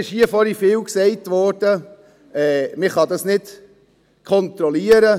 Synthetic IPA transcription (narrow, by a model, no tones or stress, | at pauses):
ɪʃhiəfɔɾifɪːlksɛɪtʋɔɾd̥ə | ɛːmɪχɑdɑsnɪd | kʰɔntɾɔliːəɾə